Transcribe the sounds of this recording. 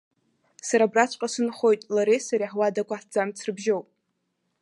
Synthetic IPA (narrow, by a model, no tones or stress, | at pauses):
saɾabrat͡ʃʷʰʼqʼasɨnχo̞jtʼlaɾesaɾiħwadakʷʰaħd͡zamt͡sʰrɨbʒo̞wpʼ